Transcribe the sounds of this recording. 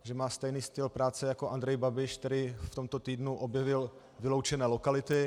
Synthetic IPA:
ʒɛmaːst̪ɛjniːst̪ɪlpɾaːt͡sɛjako̞ʔand̪ɾɛjbabɪʃkt̪ɛɾɪft̪o̞mt̪o̞t̪iːdnuʔo̞bjɛvɪl | vɪlo̞wt͡ʃɛnɛːlo̞kalɪt̪ɪ

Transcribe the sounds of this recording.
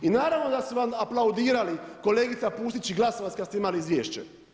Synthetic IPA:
inaːɾaʋnod̪asuʋamaplˠaud̪iːɾaliko̞le̞ːɡit̪sapuːst̪it͡ɕiɡlˠasoʋat̪ʲkad̪st̪eimaliizʋjeːʃt͡ɕḛ

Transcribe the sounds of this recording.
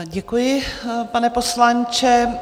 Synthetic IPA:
ɟɛkujɪpanɛpo̞slant͡ʃɛ

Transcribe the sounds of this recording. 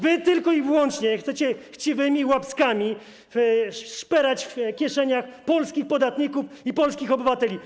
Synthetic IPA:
vɘt̪ɘlkɔivwɔnt͡ʂɲɛxt̪sɛt͡ɕɛxt͡ɕivɘmʲiwapskamʲi | ʂpɛɾat͡ɕfkʲjɛʂɛɲaxpɔlskʲixpɔd̪at̪ɲikufipɔlskʲixɔbɘvat̪ɛlʲi

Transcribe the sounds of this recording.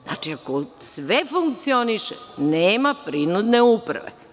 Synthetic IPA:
zna̰ːt͡ʃiakosʋefuŋkt̪sioniʃḛneːmapɾinud̪neupɾa̰ʋḛ

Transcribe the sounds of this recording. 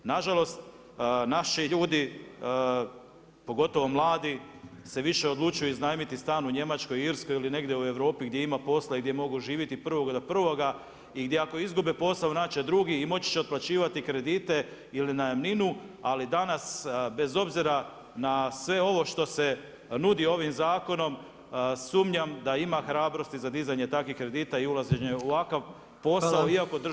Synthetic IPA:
naʒalˠo̞st̪ | naʃiʎuːd̪i | po̞ɡo̞t̪o̞ʋo̞mlˠaːd̪i | se̞ʋiʃe̞o̞d̪lˠut͡ʃujuiznaːjmit̪ist̪aːnuɲe̞mat͡ʃko̞jiiɾsko̞jiline̞ɡd̪jeue̞ʋɾo̞ːpiɡd̪je̞imapo̞slaiɡd̪je̞mo̞ɡuʒiːʋjit̪ipr̩ʋo̞ɡad̪opr̩ʋo̞ɡa | iɡd̪ʲjeako̞izɡubepo̞slaʋnat͡ʃed̪ɾuɡiːmo̞t͡ɕi̥t͡ɕeoplˠat͡ɕiːʋat̪ikɾe̞d̪iːt̪e̞ | ilinaemninualid̪anasbe̞zo̞bziɾa | nasʋe̞o̞ʋo̞ʃt̪o̞se̞ | nud̪io̞ʋimzaːko̞no̞m | suːmɲamd̪aimaxɾaːbɾo̞st̪izad̪izaɲe̞t̪akʋixkɾe̞d̪iːt̪aiulazeɲeuʋakaʋ | po̞saoiakod̪

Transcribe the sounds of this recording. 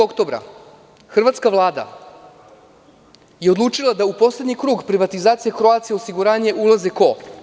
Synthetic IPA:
okt̪o̞bɾa̰ | xr̩ʋat̪skaʋlˠaːd̪a̰ | jeo̞d̪lˠuːt͡ʃt͡ʂilˠad̪aupo̞sled̪ɲikɾuːɡpɾiʋat̪izaːt̪sijekɾoat̪sijeo̞siɡuɾaːɲe̞ʔulˠazeko̞

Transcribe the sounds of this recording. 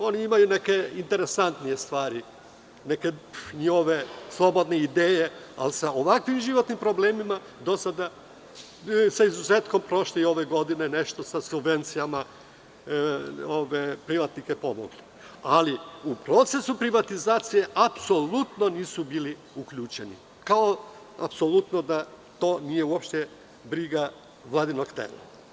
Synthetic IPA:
o̞niimajune̞ke̞int̪e̞ɾe̞sant̪nije̞st̪ʋaːɾi | ne̞ke̞ɲixo̞ʋe̞slˠo̞bo̞d̪ne̞id̪eːje̞ | a̰lsaoʋakʋimʒiʋo̞t̪nimpɾo̞bleːmima | d̪o̞sad̪a | saizuzeːt̪ko̞mpɾo̞ʃlio̞ʋe̞ɡo̞d̪ine̞ne̞ʃt̪o̞sasubve̞nt̪sijama | oʋepɾiʋat̪nike̞po̞moɡli | aliupɾo̞t̪se̞supɾiʋat̪izaːt̪sije̞ʔapso̞lut̪no̞niːsubili | ukʎuːt͡ʃe̞nḭ | kao | a̰pso̞lut̪no̞d̪a | t̪o̞ːnije̞uo̞pʃt̪e | bɾiɡa | ʋlˠad̪inokt̪ḛla̰

